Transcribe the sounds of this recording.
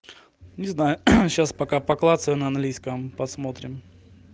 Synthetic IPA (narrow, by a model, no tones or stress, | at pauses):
nʲɪznajʊɕaspɐkapɐklˠat̪səjʊnəɐnɡlʲijskəmpɐsmot̪ɾʲɪm